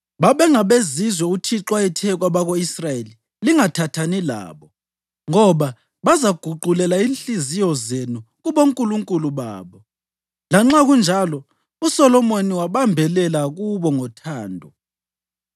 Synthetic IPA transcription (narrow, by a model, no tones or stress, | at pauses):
βaβɛŋaβezizwɛutʰiǁwaitʰɛɣwaβaɣoisrajeli | liŋatʰatʰanila̰ːβɔ | ŋɔβa | βazaɡ̥ʱuɡ͡ǃʱulɛlainɬizijɔzenuɣuβoŋkʼuluŋkʼuluβa̰ːβɔ | laŋ͡ǁaɣund͡ʒʱalɔ | usɔlɔmoniwaβambʱɛlɛlaɣuβɔŋɔtʰaːndʱɔ